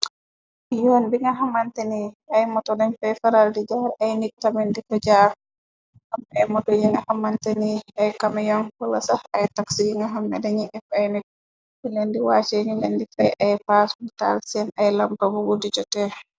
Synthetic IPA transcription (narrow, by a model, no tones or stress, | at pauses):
jɔnbiŋɡaɦamanteni | ajmɔtɔdɛɲfɛfaɾaldid͡ʒaɾʔajnik̚tamɛndikɔd͡ʒaɾ | hamɛmɔdɔjiŋahamːanteniajkamajɔnkɔlasaajtaksiiŋɡaɦamːɛ̰daɲiʔɛfajnik̚ | bilendiwat͡ʃeɲilendifɛʔajpasnta̰lsiɛnajlampabuɡudid͡ʒɔtɛ